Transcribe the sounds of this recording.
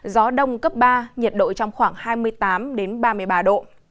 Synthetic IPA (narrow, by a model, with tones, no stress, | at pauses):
zɔ˨˦ɗə˧wŋ͡mkə˦˥p̚ɓaː˧ɲə˨˩t̚ɗo̰˧˨jt͡ɕɔ˧wŋ͡mxwaː˧˩ŋhaː˧jmɨ˧əjt̪aː˨˦mɗe˨˦nɓaː˧mɨ˧əjɓaː˧ɗo̰˧˨